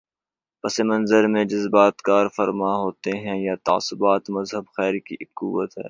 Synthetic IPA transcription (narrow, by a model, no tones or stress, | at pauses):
pɐsemɐ̃nzəɾmẽd͡ʒɐzbaːt̪kaːɾfɐɾmaɦoːt̪eɦɛ̃jat̪a̰ːsʊbaːt̪mɐzɦəbxɛːɾkiʔkuːwət̪ɦɛ̰ː